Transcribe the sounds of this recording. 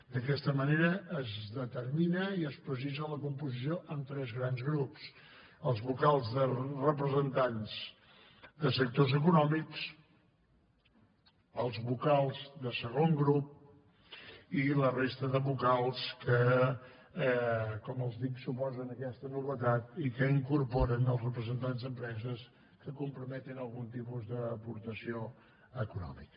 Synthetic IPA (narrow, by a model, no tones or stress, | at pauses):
d̪əkɛst̪əməneɾəːzðət̪əɾminəiəspɾəziʒələkumpuzis̬ioʔəmt̪ɾɛzɣɾanzɣɾups | əlˠzβukalˠzðərəp̬ɾəzənt̪anz | d̪əsək̚t̪ozəkunɔmiks | əlˠzβukalˠzðəsəɣ̞oŋɡɾup̚ | ilərest̪əðəβukalˠskə | kɔməlˠzðiksupɔzənəkɛst̪ənuβət̪at̪̚ikəiŋkuɾpɔɾənəlˠzrəpɾəzənt̪anzðəmpɾɛzəs | kəkumpɾumɛt̪inəlˠɣunt̪ipuzðəːpuɾt̪əsio | əkunɔ̰mikə